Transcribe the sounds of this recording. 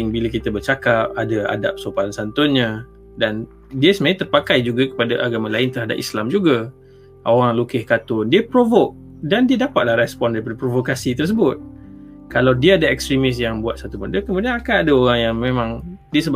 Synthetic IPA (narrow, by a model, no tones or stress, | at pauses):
ŋbilakit̪abərt͡ʃakap̚adaa̰da̰p̚sopansant̪ʊnɲã | dan | diəsəmat̪ərpakajd͡ʒuɡakə̥padaʔaɡamãlaɪnt̪ərɦada̰p̚ḭslamd͡ʒuɡa | ʔoɣaŋlukɪhkat̪ʊndiəpɾovok̚ | dandiədapat̪̚lahɾɛspɔndaɾipadapɾovokasit̪ərs̬əbʊt̪̚kalawdiəadaɛkst̪ɾimɪs̬jaŋbuat̪sat̪uməndəkəmũdianakanadaoɾaŋjaŋmẽmãŋdiəsəb